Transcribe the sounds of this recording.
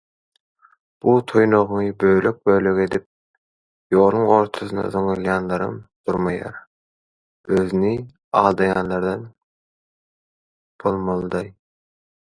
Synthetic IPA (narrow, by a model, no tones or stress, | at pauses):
b̥ut̪ʰojno̞ʁnɯbøjløk̚bøjløɡe̞d̪ip̚ | joːlˠuŋo̞ɾt̪ʰosɯnɑ̰zoŋɯlˠjɑnlˠɑɾɯ̰md̪̥uɾmɑjɑ̰ɾ | øzyni | ɑːlˠd̪ɑjɑːnlˠɑɾd̪ɑn | b̥olˠmɑlˠɯd̪ɑj